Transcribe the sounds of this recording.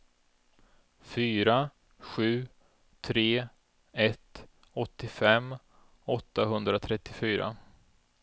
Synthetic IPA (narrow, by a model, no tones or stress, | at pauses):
fyːɾa | ɧʉ̟ː | t̪ʰɾeː | ɛt̪ː | ɔt̪ːɪfɛmː | ɔt̪ːaɦɵnd̪ɾat̪ʰɾɛt̪ːɪfyːɾa̰